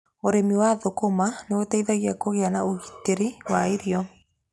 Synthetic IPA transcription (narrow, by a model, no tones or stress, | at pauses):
oɾemiwaðokomaneotaiðaɣiakoɣeanaoɣiteɾiwaeɾjɔ